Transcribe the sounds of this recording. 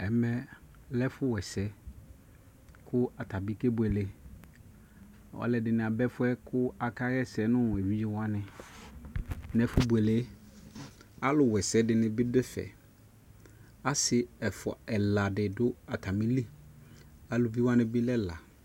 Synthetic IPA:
ɛ˨mɛ˨ | lɛ˦fʊ˦wɛ˨sɛ˨˦ | kʰʊ˦a˨tʰa˨bi˦ke˦bʊ˨ɛ˨le˨ | ɔ̰˨˦lɛ˨dɪ˨nɪ̃˨a˨bɛ˦fʊ˦ɛ˦kʰʊ˦a˨ka˦ɣɛ˦sɛ˨˦nʊ̃˦˨e˨wi˦je˦wã˦nɪ̃˨ | nɛ˨fʊ˦bʊ˨ɛ˨le˦ | a˦lʊ˨wɛ˨sɛ˨˦dɪ˨nɪ̃˨bɪ˦dɪ˦fɛ̰˨ | a˦sɪ˨ɛ˨fɔ̰˨ɛ˨la˨dɪ˨dʊ˦a˨tʰa˨mĩ˦li˦ | a˨lʊ˨vi˦wã˦nɪ̃˦bɪ˦lɛ˦la˨

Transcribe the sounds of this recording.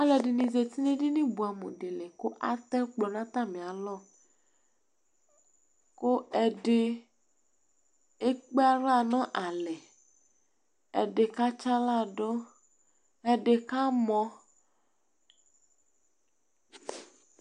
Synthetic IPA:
a˦lɛ˨ɖi˨nĩ˨ze˨t̪i˦ne˦di˦nĩ˦bu˨a˨mo̰˨ɖe˨le˨ko˦ʔa˦t̪ɛ˦k͡plɔ˨nã˦t̪a˦mĩ˨a˨lɔ˦˨ | ko˦ɛ˨ɖe˨ | e˦k͡pe˦a˦ɾa˦˨nɔ̃˦ʔa˨lɛ˨ | ɛ˨ɖe˨ka˦t͡ʃa˦la˦˨ɖo˦ | ɛ˨ɖe˨ka˦mɔ̃˦

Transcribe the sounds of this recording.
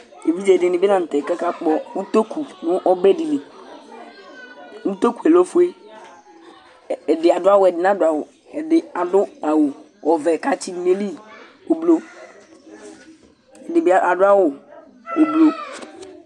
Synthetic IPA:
e˨vi˦d͡ʒɛ˨dɪ˨nɪ̃˨be˦nã˨n̩˨t̪ɛ˨kɛ˦ka˦k͡pɔ˦u˦t̪o˦ku˨nʊ̃˦ʔɔ˦bɛ˦di˨le˨ | u˦t̪o˦ku˨ɛ˨lo˦fʊ˦e˦˨ | ɛ˨dɪ˨a˨dʊ˦a˦wʊ˨ɛ˨dɪ˨nã˦dʊ˨a˨wʊ˨ | ɛ˨dɪ˨a˨dʊ˦a˨wʊ˨ | wɔ˨vɛ˨ka˦t͡ɕi˦n˦me˦li˦ | o˨blo˦ | ɛ˨dɪ˨bɪ˦a˨dʊ˦a˦wʊ˨ | o˨blo˦

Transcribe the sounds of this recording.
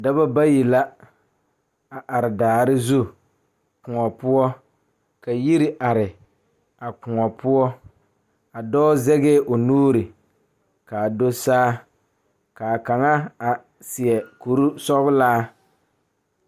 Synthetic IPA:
da˦ba˦ba˦ji˨la˦ | a˨ʔa˨ɾɪ˨daː˨ɾɪ˦zu˦ | kʊ˨ŋɔ˨pʊ˦ɔ˦ | ka˨ji˦ɾi˦ʔa˨ɾɪ˨ | a˨kʊ˨ŋɔ˨pʊ˦ɔ˦ | a˨dɔː˦zɛ˦ɣeː˦ʔo˨nuː˦ɾɪ˨ | ka˨do˦saː˦ | ka˨ka˨ŋa˦a˨ | sɪ˨ɛ˨ku˨ɾu˦sɔ˦ɣʊ˦laː˦

